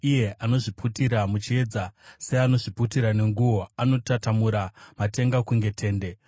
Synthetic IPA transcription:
ije̞ano̞ʐiputiɾamut͡ʃie̞d͡zase̞ano̞ʐiputiɾane̞ŋɡuʋo̞ano̞tatamuɾamate̞ŋɡakuŋɡe̞tʰe̞ːnde̞

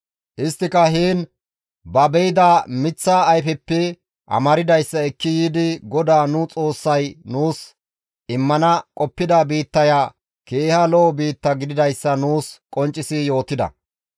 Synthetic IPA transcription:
ʔɪst̪ːɪkɐɦiːn | bɐbɛjɪd̪aːmɪt͡sːaːjfɛpːɛ | ʔɐ̰mɐɾɪd̪ɐjsːɐɛkːɪjiːd̪ɪɡɔd̪aːnʊt͡sʼo̞ːsːɐjnuːs | ɪmːɐnɐkʼɔpːɪd̪abiːt̪ːɐjaː | keːhɐlɔɔbiːt̪ːɐɡɪd̪ɪd̪ɐjsːɐnuːskʼɔnt͡ʃʼːɪsɪjo̞ːt̪ɪd̪ɐ̰

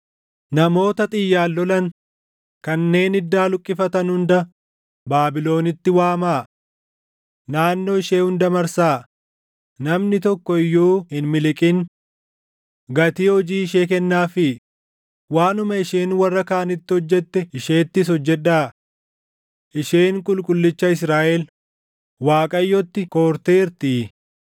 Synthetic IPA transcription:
nɐmo̞ːt̪ɐt̪ʼɪjːaːlːɔlɐn | kɐnːe̞ːnɪd̪ːaːlʊkʼːɪfɐt̪ɐnhʊnd̪ɐ | baːbɪlo̞ːnɪt̪ːɪwaːmaː | naːnːoːɪʃeːhʊnd̪ɐmɐɾsaː | nɐmnɪt̪ɔkːɔɪjːuːhɪnmɪlɪkʼɪn | ɡɐt̪iːhɔd͡ʒiːɪʃeːkɛnːaːfɪ | waːnʊmɐɪʃeːnwɐrːɐkaːnɪt̪ːɪhɔd͡ʒːɛt̪ːɛɪʃe̞ːt̪ːɪs̬ɔd͡ʒːɛᶑaː | ʔɪʃeːŋkʼʊlkʼʊlːɪt͡ʃːɐɪsɾaːʔɛl | waːkʼɐjːɔt̪ːɪkoːɾt̪eːɪɾt̪i

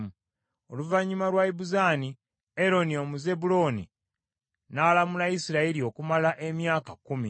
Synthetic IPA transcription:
u | o̞̰luvaɲːiumalwaiβuzaːni | eɾo̞nio̞muze̞bulo̞ːni | nalamulaisiɾaelio̞kumalaʔe̞mjaːkakumi

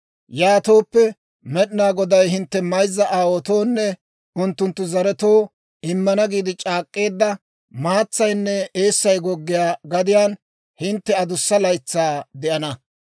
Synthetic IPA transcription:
jaːt̪o̞ːpːɛ | mɛɗɪnaːɡɔd̪ɐjɦɪnt̪ːɛmɐjzːɐʔaːwɔt̪o̞ːnːɛ | ʊnt̪ːʊnt̪ːʊzɐɾɛt̪o̞ː | ɪmːɐnɐɡiːd̪ɪt͡ʃʼaːkʼːe̞ːd̪ːɐ | maːt͡sːɐjnːɛe̞ːsːɐjɡɔɡːɪjaːɡɐd̪ɪjaːn | hɪnt̪ːɛɐd̪ʊsːɐlɐjt͡sːaːd̪ɛʔɐnɐ

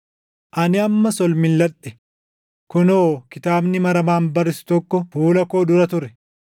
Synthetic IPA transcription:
ʔɐnɪɐmːɐsɔlmɪlːɐᶑːɛ | kʊnoːkɪt̪aːbnɪmɐɾɐmaːnbɐɾɪsɪ̥t̪ɔkːɔfuːlɐko̞ːd̪ʊɾɐt̪ʊɾɛ̥

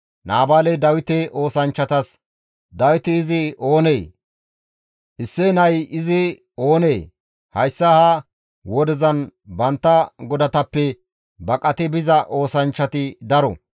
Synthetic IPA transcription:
nʔaːbaːlɛd̪ɐwɪt̪ɛʔo̞ːsɐnt͡ʃːɐt̪ɐs | d̪ɐwɪt̪ɪːzɪo̞ːneː | ʔɪsːɛnɐjɪzɪ | o̞ːneː | hɐjsːɐha | wɔd̪ɛzɐnbɐnt̪ːɐɡɔd̪ɐt̪ɐpːɛ | bɐkʼɐt̪ɛbɪzɐʔo̞ːsɐnt͡ʃːɐt̪ɪd̪ɐɾɔ̰

